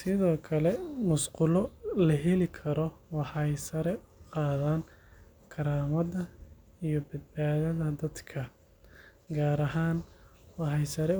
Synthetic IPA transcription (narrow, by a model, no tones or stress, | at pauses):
sɪðɔːkʰɐlɛmʊsqʊlɔlɐɦɛlɪkʰɐɾɔwɑħɑjsɐɾɛ | qɑːðaːn | kʰɐɾaːmɐðɐ | ijɔbɐd̪̚baːðɐðɐd̪ɐd̪kʰɐ | ɡaːɾɐɦaːnwɑħɑjsɐɾɛ